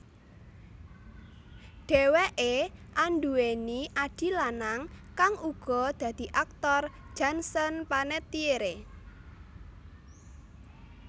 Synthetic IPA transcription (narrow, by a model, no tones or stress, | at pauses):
ɖ̥ɛ̤weʔeʔanɖueniʔaɖ̥i̤lanaŋkaŋuɡ̥ɔ̤d̪̥ä̤d̪̥i̤ʔak̚t̪ɔrd̥d͡ʒ̥ansɔnpanɛt̪ieɾe